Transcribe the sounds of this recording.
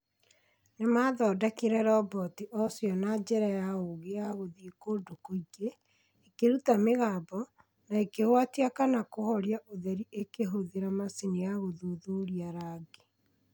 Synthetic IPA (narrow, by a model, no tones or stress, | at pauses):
nemaðɔːdakeɾɛɾɔbɔtiʔɔsjɔnad͡ʒɛɾajaoɣeaɣoðikoːdokoiɡeː | keɾutameɣaːbɔ | naekeɣwatiakanakohɔɾiaʔoðɛɾiʔekeɦoðeɾamasinijaɣoðoðoɾiaɾaɡe